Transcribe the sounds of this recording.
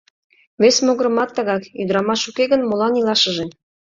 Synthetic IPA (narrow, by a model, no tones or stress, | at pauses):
βesmoɣɾə̆mɑt̪ːɤ̆ɣɑkyd̪əɾɑmɑʃukeɣənmolɑnilˠɑʃə̆ʒen